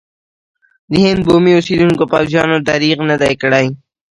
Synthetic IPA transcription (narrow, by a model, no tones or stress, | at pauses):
d̪iɦɪnd̪̚boːmiʊsiːd̪uŋkopɑːwzjɑːnod̪aɾiːqnəd̪ajkəɽaj